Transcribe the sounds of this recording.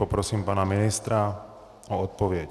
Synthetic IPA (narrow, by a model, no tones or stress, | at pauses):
ɔpɾɔsiːmpaːnaminist̪ɾa | ɔɔt̪̚pɔʋɪɛc